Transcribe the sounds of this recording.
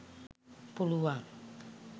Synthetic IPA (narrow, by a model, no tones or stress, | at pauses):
puluaŋ